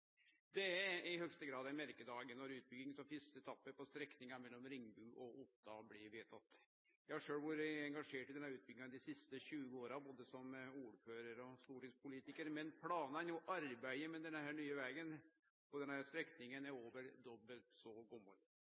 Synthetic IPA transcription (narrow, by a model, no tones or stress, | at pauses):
d̪ɛæɪhœɡst̪əɡɾɑːd̪ɛmæɾkəd̪ɑːɡənɔɾʉːt̪̚bʏɡɪŋsɔmfɪst̪ət̪ʰɑpːəpɔst̪ɾɛknɪŋɑmɛlːɔmɾɪŋːbʉːʔɔʔʊt̪ʰːɑblɪʋeːt̪ʰɑt̪ː | jæhɑʂøːlʋʊɾəɛŋɡɑʂeːʈɪd̪ɛnːæɾʉːt̪̚bʏɡɪŋɑd̪ɪsɪst̪əɕʉːɡəoːɾɑboːd̪əsɔmuːɾføːɾəɾɔst̪uːʈiːd̪spʰʊliːt̪ɪkəɾmɛnpʰlɑːnəɛnjʊʔɑɾbæɪəmɛd̪ɛnhæːɳyːəʋɛːɡən | pɔd̪ɛnhæɾst̪ɾɛknɪŋənæɾoːʋəɾd̪ɔbːəlt̪sɔɡɔmːɔɾ